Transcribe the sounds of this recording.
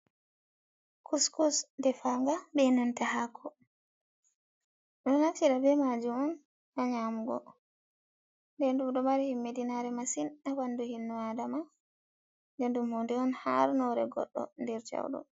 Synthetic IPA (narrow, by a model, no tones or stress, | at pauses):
kʰuskɔsndɛfaŋɡabɛnantahakʰːɔ | ɗɔnat͡ʃiɗabɛmad͡ʒumɔn | ʔaɲamuɡɔ̰ | ndɛndumɗɔmaɾihimːedinaɾɛmasinawanduhinːuadama | ndɛndumhɔndɛɔnha̰ɾnɔɾɛ̰ɡɔ̰ɗːɔ̰ndɛɾt͡ʃa̰wɗɔ̰